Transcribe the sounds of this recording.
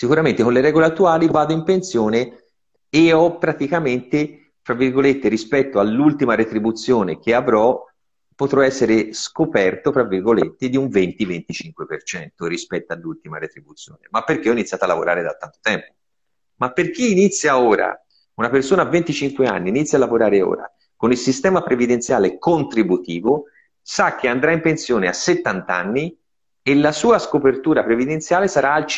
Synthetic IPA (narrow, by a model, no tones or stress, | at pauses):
sikuɾamẽnt̪ekõnleɾɛːɡoleat̪ːuaːlivaːd̪oimpensjoːne | eɔpːɾat̪ikament̪e | fɾavːirɡolet̪ːeɾispɛt̪ːoalːult̪imaɾet̪ɾibut̪sjoːnek̟eavɾɔ | pːot̪ɾɔɛsːeɾeskopɛrt̪ofɾavːirɡolḛt̪ːed̪iuɱvent̪ivent̪it͡ʃiŋkwepert͡ʃɛnt̪oɾispɛt̪ːoalːult̪ima̰ɾet̪ɾibut̪sːjoːnḛmapːerk̟eɔinit̪sjaːt̪oalːavo̰ɾa̰ːɾed̪a̰t̪ːant̪o̥t̪ɛmpo̥ | mapːerk̟iːnit̪sːjaoːɾa̰ | unapersoːnavːent̪it͡ʃiŋkwea̰nːiːnit̪sːjalːavoɾaːɾeo̰ːɾa̰ | konilsist̪ɛːmapɾevid̪ent̪sjaːlekont̪ɾibut̪iːvo | sak̟ːeand̪ɾaimpensjoːnea̰sːet̪ːant̪anːi | elːasuːaskopert̪uːɾapɾevid̪ent̪sjaːlesaɾaːlt͡ʃ